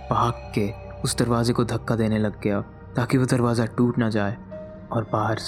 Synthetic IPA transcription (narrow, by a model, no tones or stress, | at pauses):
baːkːe | ʊsd̪ɐɾʋaːzekod̪ʱɐkːad̪eːnelɐɡːɐja | t̪aːkiʋod̪ɐɾʋaːzaʈuːʈnad͡ʒaːeː | ɔːɾbaːɦəɾs